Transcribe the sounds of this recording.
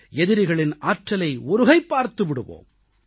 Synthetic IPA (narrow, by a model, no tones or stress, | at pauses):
ɛðɪɾɪɣɐɭɪnaːʈrɐlɐɪɔɾɯɣɐɪpːaːɾt̪ɯʋɪɽɯʋo̰ːm